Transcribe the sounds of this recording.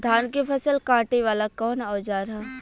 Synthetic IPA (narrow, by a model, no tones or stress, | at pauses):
d̪ʱaːnkepʰɐsəlkãːʈeʋaːlakɔːnaːd͡ʒaːɾɦa